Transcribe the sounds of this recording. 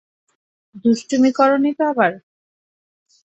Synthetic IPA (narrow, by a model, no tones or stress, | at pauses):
d̪usʈumikɔɾonit̪oabaɾ